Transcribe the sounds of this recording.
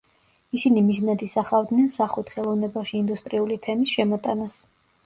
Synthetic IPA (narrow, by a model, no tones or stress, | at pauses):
isinimiznad̪isaχavd̪nɛnsaχwɛt̪χɛlˠɔvnɛbaʃiːnd̪ust̪ʼɾiulit̪ʰɛmisʃɛmɔt̪ʼanas